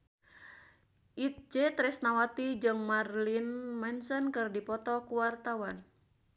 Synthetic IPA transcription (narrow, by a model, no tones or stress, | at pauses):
ʔit̪̚d͡ʒɛt̪ɾɛsnawat̪id͡ʒɨŋmarlinmɛnsənkɨrdipɔt̪ɔkuwart̪awan